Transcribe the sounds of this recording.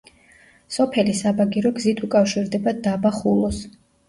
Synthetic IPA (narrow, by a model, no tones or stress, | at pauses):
sɔpʰɛlisabaɡiɾɔɡzit̪ʰukʼafʃiɾd̪ɛbad̪abaχulˠɔs